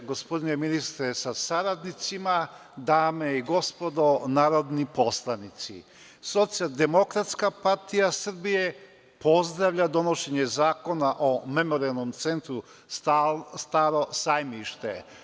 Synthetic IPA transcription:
ɡo̞spo̞d̪ineminist̪ɾesasaɾad̪nit̪sima | d̪aːmeiɡo̞spo̞d̪o̞naːɾo̞d̪nipo̞slˠanit̪sḭ | so̞t̪sijald̪e̞mo̞kɾat̪skapaɾt̪ijasɾ̩bije | po̞zd̪ɾaʋʎad̪o̞no̞ʃe̞ɲezaːko̞naʔome̞mo̞ɾialˠno̞mt̪se̞nt̪ɾu | st̪ast̪aːɾo̞sajmiʃt̪ḛ

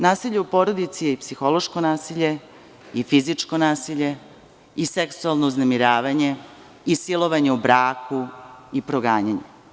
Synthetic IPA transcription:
naːsiʎeupo̞ɾod̪it̪sijeipsixo̞lo̞ʃko̞naːsiʎe̞ | ifizit͡ʂko̞naːsiʎe̞ | iseksualˠnouznemiɾaːʋaɲe̞ | isilˠo̞ʋaɲeubɾaːkuipɾoɡaːɲaɲḛ

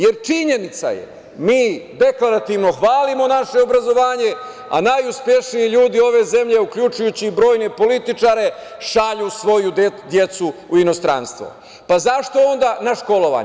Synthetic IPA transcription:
je̞ɾt͡ʃiɲe̞nit̪sa̰jḛ | miːd̪e̞klaɾat̪iʋno̞xʋaːlimo̞naʃe̞obɾazo̞ʋaːɲe̞ | a̰najuspje̞ʃnijiʎuːd̪io̞ʋe̞ze̞mʎe̞ukʎut͡ʃujut͡ɕibɾo̞ːjne̞po̞lit̪it͡ʃaːɾe̞ | ʃaʎusʋo̞jud̪je̞t̪suuino̞st̪ɾa̰nst̪ʋo̞̰ | pazaʃt̪o̞o̞nd̪anaʃko̞lo̞ʋa̰ː

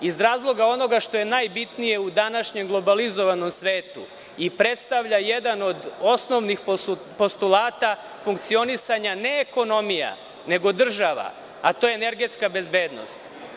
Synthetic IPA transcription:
izɾaːzlˠo̞ɡao̞no̞ɡaʃt̪o̞je̞najbit̪nije̞ud̪anaʃɲemɡlˠo̞balizo̞ʋano̞msʋe̞ːt̪ṵ | ipɾe̞t̪st̪aʋʎajed̪ano̞d̪o̞sno̞ʋnixp | po̞st̪ulˠaːt̪a | fuŋkt̪sio̞nisaɲaneːko̞no̞mija̰ | ne̞ɡo̞d̪r̩ʒaʋa̰ | at̪ojeene̞ɾɡe̞t̪skabe̞zbe̞ːd̪no̰st̪

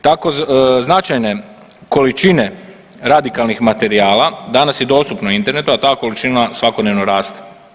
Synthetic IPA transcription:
t̪ako̞znat͡ʃajne̞ | ko̞lit͡ʃine̞ | ɾad̪ikalnixmat̪e̞ɾiaːlˠad̪anasjed̪o̞ːst̪upnoint̪e̞ɾne̞t̪uat̪aːko̞lit͡ʃinasʋako̞d̪ne̞ʋno̞ɾaːst̪e̥

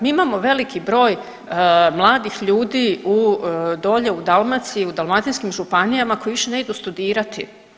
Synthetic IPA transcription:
miːimaːmo̞ʋe̞likʰibɾo̞ːj | mlˠaːd̪ixʎuːd̪iːud̪o̞ːʎe̞ud̪alˠmat̪sijiud̪almat̪inskimʒupanijamako̞jiʋiʃe̞ne̞id̪ust̪ud̪iːɾat̪i

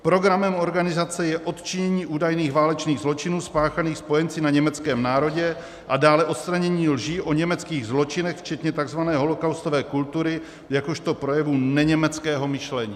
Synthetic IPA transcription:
pɾo̞ɡɾamɛmo̞ɾɡanɪzat͡sɛjɛʔo̞t̪t͡ʃɪɲɛɲiːʔuːdajniːɣvaːlɛt͡ʃniːɣzlo̞t͡ʃɪnuːspaːxaniːxspo̞jɛnt͡sɪnaɲɛmɛt͡skɛːmnaːɾo̞ɟɛ | ʔadaːlɛʔo̞t̪st̪ɾaɲɛɲiːlʒiːʔo̞ɲɛmɛt͡skiːɣzlo̞t͡ʃɪnɛxft͡ʃɛt̪ɲɛt̪aɡzvanɛːɦo̞lo̞kawst̪ovɛːkult̪uɾɪ | jakoʃt̪o̞pɾo̞jɛvunɛɲɛmɛt͡skɛːɦo̞mɪʃlɛɲiː

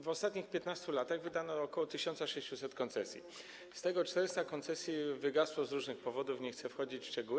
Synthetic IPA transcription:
vɔst̪at̪ɲixpʲjet̪nast̪ulat̪aɣvɘd̪anɔːkɔwɔt̪ɘɕɔnt̪saʂɛɕt͡ɕusɛt̪kɔnt̪sɛsʲjḭ | st̪ɛɡɔt͡ʂt̪ɛɾɪst̪akɔnt̪sɛsʲjivɘɡaswɔzɾuʐnɘxpɔvɔd̪ufɲɛxt̪sɛfxɔd͡ʑit͡ɕʂt͡ʂɛɡuw

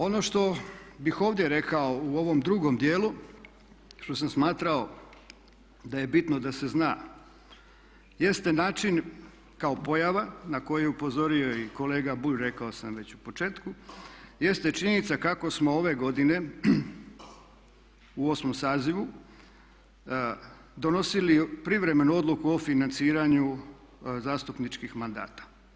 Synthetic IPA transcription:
o̞no̞ʃt̪o̞bixo̞ːʋd̪jeɾe̞kao̞uo̞ʋo̞md̪ɾuɡo̞md̪jeːlu | ʃt̪o̞samsmaːt̪ɾao | d̪aje̞bit̪nod̪ase̞znaː | je̞st̪enaːt͡ʃin | kao̞po̞jaʋanako̞jeɛupo̞zo̞ɾio̞iko̞le̞ːɡabuʎɾe̞kaosamʋe̞t͡ɕupo̞t͡ʃe̞ːt̪kuje̞st̪e̞t͡ʃiɲe̞nit̪sakako̞smo̞oʋe̞ɡo̞d̪ine̞ | uo̞smomsaːziʋu | d̪o̞no̞silipɾiʋɾe̞me̞nuo̞d̪lukuofinant̪siːɾaɲu | zaːst̪upnit͡ʃkixmand̪a̰ːt̪ḁ

